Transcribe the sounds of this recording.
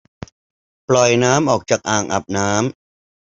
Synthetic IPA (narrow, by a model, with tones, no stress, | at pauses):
plɔ˨˩jnaː˦˥mʔɔː˨˩k̚t͡ɕaː˨˩k̚ʔaː˨˩ŋʔa̰˨˩p̚naː˦˥m